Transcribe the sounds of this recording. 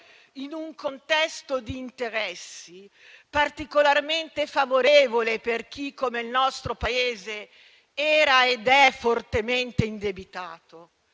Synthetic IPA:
inuŋkont̪ɛst̪od̪iːnt̪eɾɛsːi | part̪ikolarment̪efavoɾevoleperk̟ikːomeilnɔst̪ɾopaeːze | ɛːɾaed̪ɛfort̪ement̪eind̪ebit̪aːt̪o

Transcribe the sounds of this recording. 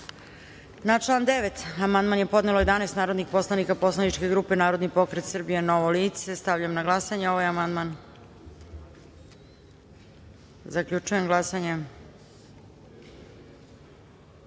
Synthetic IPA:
nat͡ʂlˠaːnd̪eʋet̪amand̪manje̞po̞d̪neloje̞d̪aneːst̪naːɾod̪nixpo̞slanikapo̞slanit͡ʂke̞ɡɾuːpenaːɾod̪nipo̞kɾet̪sr̩bijenoʋoliːt̪sest̪avʎamnaɡlˠasaɲeo̞ʋajamand̪man | zakʎʲut͡ʂuje̞mɡlˠasaɲe

